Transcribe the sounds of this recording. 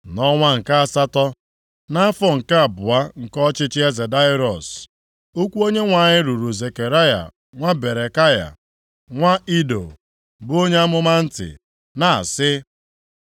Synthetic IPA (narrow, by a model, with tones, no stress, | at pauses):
nɔ˦ŋʷa˦ŋ̩˨ka˦a˨sa˦tɔ˦ | na˦a˦fɔ˦ŋ̩˨ka˦a˨bʊ˨a˦ŋ̩˨kɔ˦t͡ʃɪ˦t͡ʃɪ˦e˦ze˨da˦i˦ɾɔ˨s | o˦kʷu˦o˦ɲe˦ŋʷa˨ɲɪ˦ɾu˨ɾu˨ze˨ke˨ɾa˦ja̰˨ | ŋʷa˦be˨ɾe˨ka˦ja̰˨ | ŋʷa˦i˦do̰˨ | bʊ˦o˦ɲe˦a˦mʊ˦ma˦n̩˦tɪ̰˨ | na˨a˨sɪ˦